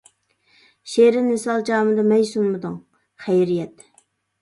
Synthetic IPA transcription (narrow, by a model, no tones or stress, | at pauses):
ʃeɾɪnːɪsɑlˠd͡ʒɑːmɨd̪ɑmɛjsunmɨd̪uŋ | χæjɾijɛt̪